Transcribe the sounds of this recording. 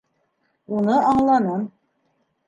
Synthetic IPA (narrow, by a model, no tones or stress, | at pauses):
unɤɑɴlˠɑnɤm